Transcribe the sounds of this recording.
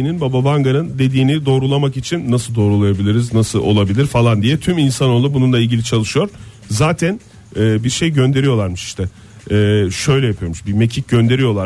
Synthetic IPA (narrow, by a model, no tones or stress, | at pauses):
ininbababaŋɡanɯnd̪e̞d̪iːnid̪o̞ːɾulˠamakit͡ʃʰinːasɯlˠd̪o̞ːɾulˠajabilʲiɾiznasɯlˠo̞̰lˠabilʲiɾfalˠand̪ijɛt̪ʰyminsano̞lˠubununlˠailɟilʲit͡ʃʰalˠɯʃɯjo̞ɾ̥ | zaːt̪ʰæn | ɛːbiɾʃe̞jɟønd̪e̞ɾijo̞lˠaɾmɯʃi̥ʃt̪ʰɛː | ʃø̞jlʲɛjapʰɯjo̞ɾmuʃbime̞cʰic̚ɟønd̪e̞ɾijo̞lˠaɾ